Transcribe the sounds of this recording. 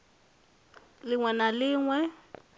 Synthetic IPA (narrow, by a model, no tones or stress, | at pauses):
lɪŋwɛnalɪːŋwɛ